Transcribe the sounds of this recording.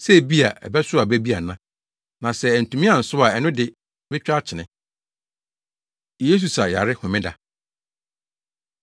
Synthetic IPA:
sɛ˦˨bi˦a˨ʔɛ̰˨bɛ˦sʊ˦a˨bɛ˦bi˦a˨nã˦ | nã˨sɛ˦˨n̩˨tʰũ˨mĩ˦ã˨n̩˨sʊ˦a˨ɛ˨nʊ̃˦dɪ˨ | bɪ˦t͡ɕᶣa˦t͡ɕʰɪ˨nɪ̃˨˦˨ | e˦s̬u˨sa˨ja˨ɾɪ˦hʊ̃˨mɪ̃˦da̰˨

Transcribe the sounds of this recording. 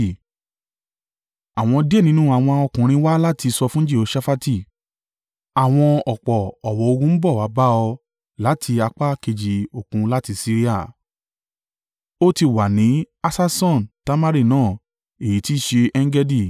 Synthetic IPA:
a˨w̃ɔ̃˧di˦e˦˨nĩ˨˦nũ˦a˨w̃ɔ̃˧ɔ˧kũ˨ɾ̃ĩ˧wa˦la˦ti˧sɔ˧fũ˦d͡ʒe˦˨o˧˦ʃa˦fa˦ti˦˨ | a˨w̃ɔ̃˧ɔ˨k͡pɔ˨ɔ˨wɔ˨˦o˧ɡũ˧˦m̩˦bɔ˦˨wa˨˦ba˦ɔ˧ | la˨˦tʰi˧a˧k͡pa˦ke˧d͡ʒi˨o˨kũ˧la˦ti˧si˦ɾi˦a˦˨ | o˦ti˧˨wa˨nĩ˨˦ | a˧sa˦˧sɔ̃˦˨n˨ta˦ma˦ɾi˦˨nãː˦˨ | e˨i˨˦ti˦˨ʃe˧ɛ˦ŋ˦ɡɛ˦di˦˨

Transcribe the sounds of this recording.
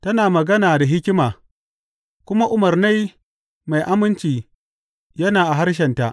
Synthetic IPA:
tɐ˦naː˨mɐ˨ɡɐ˦naː˨da˨ɦɪ˦kʲɪ˦maː˨ | kʷʊ˦ma˦ʔʊ˦mɐ˨rna˦j | ma˨jʔa˦mɪ˦nt͡ʃiː˨ | jɐ˦naː˨ʔa˨ɦa˦rʃ̬ɛ˨nta˨ʔ

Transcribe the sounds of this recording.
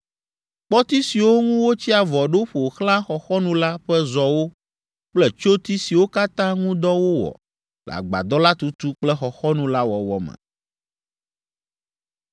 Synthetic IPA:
k͡pɔ˦t̪i˦si˨wo˦ŋũ˦wo˦t͡ɕi˦a˨vɔ˨ɖo˦ɸo˨xl̃ã˦xɔ˨xɔ˦nũ˦la˦ɸɛ˦zɔ˨wo˦ | k͡plɛ˦t͡ʃo˦t̪i˦si˨wo˦ka˦t̪ã˦ŋũ˦d̪ɔ˦wo˦wɔ̰˨ | la̰˨ɡ͡ba̰˨d̪ɔ˦la˦t̪u˦t̪u˦k͡plɛ˦xɔ˨xɔ˦nũ˦la˦wɔ˨wɔ˨mɛ̰̃˨

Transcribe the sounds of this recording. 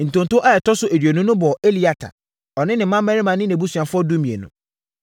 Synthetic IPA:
n̩˨tʊ̃˨n˨tʊ˦ʔa˦ɛ˨tɔ˦sʊ˦ʔe˨dɥe˨nʊ̃˦nʊ̃˦bɔ˨e˦li˨˦a˨tʰa̰˨ | ɔ˨nɪ̃˦nɪ̃˨˦mã˦mɛ˦ɾɪ˦mã˨˦nɪ̃˦nɛ̃˨bu˦su˨ã˨fʊ˦ɔ˦du˦mĩ˨ḛ˨nʊ̰̃˨

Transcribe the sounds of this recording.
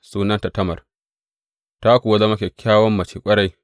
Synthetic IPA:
suː˦nɐ˦nta˨tɐ˦mɐ˨r | ta˦kʷu˨wɐ˦zɐ˦mɐ˦kʲe˨kʲaː˦wɔ˦mːɐ˨t͡ʃiː˨kʷʼɐ˦ɽa˦j

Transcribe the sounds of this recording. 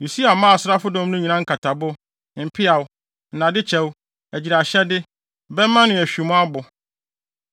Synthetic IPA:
ju˨si˦a˨mã˦a˨sʊ˦ɾa˦fʊ˦dɔ̃˦m˦nʊ̃˦ɲĩ˨nã˦ŋ̩˦kʰa˨tʰa˨bʊ˦ | m̩˨pʰɪ˦a˨w | n̩˨nã˨dɪ˦t͡ɕʰɛ˦w | æ˨d͡ʑi˨ɾa˨ɕɛ˦dɪ˦ | bɛ˦mã˦nɪ̃˨æ˨ɕᶣi˨mʊ̃˦a˦bʊ˨

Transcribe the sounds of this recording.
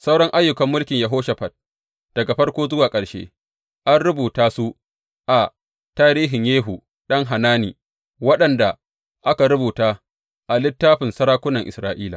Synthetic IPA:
sa˦wɽɔ˦ŋʔa˦jːʊ˨kɐ˨mːʊ˦lkʲɪ˨ɲjɐ˨ɦoː˦ʃɐ˨ɸɐ˨t̚ | d̥ɐ˨ɡa˨ɸɐ˦rkʷoː˦zʊ˦waː˨kʼɐ˨ɽʃḛ˦ | ʔa˦nɽʊ˦buː˨taː˦su˦ | ʔa˨ | taː˦ɾiː˦ɦɪ˨ɲjeː˦ɦu˨ | ɗɐ˦ŋɦa˨naː˦nḭː˨ | wɐ˦ɗɐ˨nda˨ | ʔa˦ka˨ɾʊ˦buː˨taː˦ | ʔa˨lɪ˦tːaː˦ɸɪ˨nsɐ˦ɽaː˦kʷʊ˦nɐ˨ŋʔɪ̰˨sɾaː˦˨ʔiː˦la̰ː˨

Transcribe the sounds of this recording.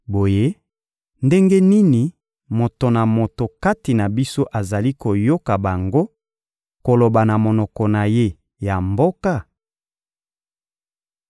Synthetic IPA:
bo˨je˦ | nde˦ŋɡe˦ni˦ni˨ | mo˨to˨na˨mo˨to˨ka˦ti˨na˨bi˦so˦ʔa˨za˨li˦ko˨jo˦ka˨ba˨ŋɡo˦ | ko˨lo˨ba˨na˨mo˨nɔ˨kɔ˨na˨je˦ | ja˨mbo˦ka˦˨

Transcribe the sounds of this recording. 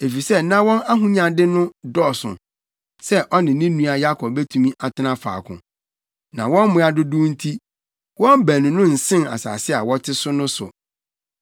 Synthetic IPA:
e˨fi˨sɛ˦nã˦wɔ̃˦na˦ɦũ˦ɲã˨dɪ˦nʊ̃˦dɔ˦˨sʊ̰̃˨ | sɛ˦ʔɔ˦nɪ̃˨nĩ˦nũ˦a˨ja˦kʰɔ˨bɛ˦tʰũ˨mĩ˦ʔa˨tʰɪ˦nã˦fa̰ː˨kʰʊ̰̃˨ | nã˨wɔ̃˦nmʊ̃˦a˦dʊ˦du˦n̩˦tʰi˦ | wɔ̃˦m˦bæ˨nʊ̃˨nʊ̃˦n̩˨sɪ̃˦na̰˨sa̰ː˨sɪ˦a˨wɔ˦tʰɪ˦sʊ˦nʊ̃˦sʊ̰˨

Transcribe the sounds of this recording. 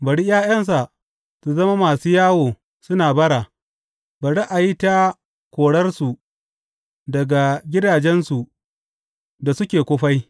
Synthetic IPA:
bɐ˨ɽi˦jaː˦jɐ˦ns̬a˨ | su˨zɐ˦ma˦maː˨suː˦jaː˦woː˨ | sʊ˦naː˨bɐ˦ɽa˨ | bɐ˨ɽi˦ʔa˨ji˦ta˦ | kʷoː˨ɽɐ˦rsu˨ | dɐ˨ɡa˨ɡʲɪ˦daː˨d͡ʒɛ˦nsu˨ | da˨sʊ˦kʲeː˨kʷoː˦ɸa˦j

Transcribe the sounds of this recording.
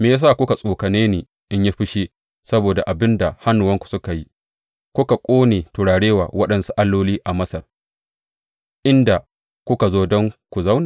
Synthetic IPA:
meː˨jaː˦s̬a˦˨kʷʊ˦ka˨sʼoː˨kɐ˨neː˦neː˨ | ʔɪ˦ɲja˦ɸɪ˦ʃi˦ | sɐ˦boː˨da˨ʔa˨bɪ˦nda˨ha˦nːʊ˨wɐ˦ŋkʷu̥˨sʊ˦ka˨ji˦ | kʷʊ˦ka˨kʷʼoː˦neː˨tʊ˨ɽaː˨ɽeː˦wa̰ː˨wɐ˦ɗɐ˨nsu˦ʔa˦lːoː˦liː˦ʔa˨mɐ˦sɐ˨r | ʔɪ˦nda˨ | kʷʊ˦ka˨zoː˦dɔ˦ŋkʷu˨za˦wnaː˨

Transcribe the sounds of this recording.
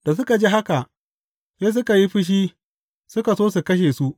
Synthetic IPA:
d̥a˨s̬ʊ˦ka˨d͡ʒi˦ɦa˦ka˨ʔ | seː˦s̬ʊ˦ka˨ji˦ɸɪ˦ʃ̬iː˦ | sʊ˦ka˨soː˦su˨kɐ˦ʃ̬eː˨su˦ʔ

